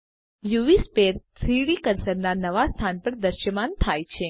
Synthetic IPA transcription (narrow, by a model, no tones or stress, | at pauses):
juʋispeɾt̪ʰɾiɽikənsəɾnanəʋast̪ʰanpəɾd̪əɾʃjəmant̪ʰajt͡ʃʰe